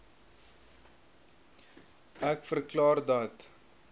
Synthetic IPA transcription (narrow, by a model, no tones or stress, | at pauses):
ækfərklɑːrdɐt̪